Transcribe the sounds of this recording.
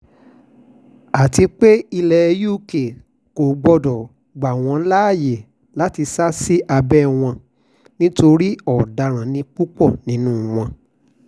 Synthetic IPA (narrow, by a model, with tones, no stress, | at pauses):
a˨ti˧k͡pe˦i˧lɛ˨˧ju˦˨ke˨ | ko˨ɡ͡bɔ˧dɔ˨ | ɡ͡ba˨w̃ɔ̃˧˦la˦˨je˨ | la˨˦ti˧sa˦si˦ʔa˧bɛ˦w̃ɔ̃˧ | nĩ˦to˧ɾi˦ɔ˨da˧˨ɾ̃ã˨nĩ˧k͡pu˦k͡pɔ˦˨nĩ˨˦nũ˦˨w̃ɔ̃˧